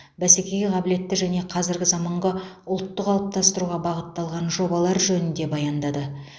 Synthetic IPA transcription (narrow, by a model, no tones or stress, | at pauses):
bæsekʲe̞jɡʲɪʁʰɑbɪle̞t̪ːɪʒæne̞qʰɑzɪɾɡʲɪzɑmɑɴʁɑ | ʊlˠt̪ːəqɑlˠəp̚t̪ʰɑst̪əɾuʁɑbɑʁət̪ːɑlˠʁɑnʒo̞bɑlˠɑɾʒɵnɪnd̪e̞bɑjɑnd̪ɑd̪ə